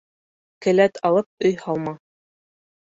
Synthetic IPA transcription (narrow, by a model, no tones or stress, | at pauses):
kɘ̆læt̪ʰɑlˠɤp̚ɵjhɑlˠmɑ